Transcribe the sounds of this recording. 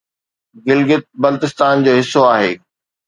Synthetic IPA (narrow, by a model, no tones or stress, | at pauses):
ɡɪlɡɪt̪̚bɐlt̪ɪst̪aːnd͡ʑoːɦɪsːoaːɦḛː